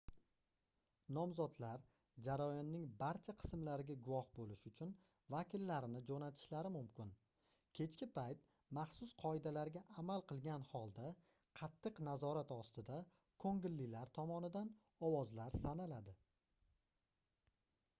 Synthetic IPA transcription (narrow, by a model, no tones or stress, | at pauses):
nɒmzɒd̪laɾ | d͡ʒaɾajɒnːɪŋbaɾt͡ʃʰaqʰɨ̥smlaɾɪɡʲaɡʊwɒhbolɪʃʊt͡ʃʰʊn | vakʲʰɪlːaɾnɪd͡ʒonat̪ʰɪ̥ʃlaɾɪmʊmkʲɪn | kʲʰe̞t͡ʃkʲɪpʰajt̪ | maχsʊsqʰɒɪd̪alaɾɡʲaʔamalˠqʰɨlˠɡʲanhɒlˠd̪a | qʰɑt̪ʰːɨqnazɒɾat̪ɒst̪ɪd̪a | kʰɵŋɡʲɪlːɪlaɾt̪ʰɒmɒnɪd̪an | ɒwɒzlaɾsanalad̪ɪ